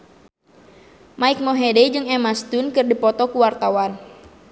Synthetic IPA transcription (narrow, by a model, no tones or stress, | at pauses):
maik̚moɦedɛjd͡ʒɨŋɛmast̪unkɨrdipɔt̪ɔkuwart̪awan